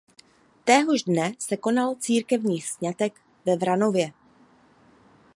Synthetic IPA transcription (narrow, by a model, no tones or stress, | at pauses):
t̪ɛːɦoʒdnɛsɛko̞nalt͡siːɾkɛvɲiːxsɲat̪ɛk | vɛvɾano̞vjɛ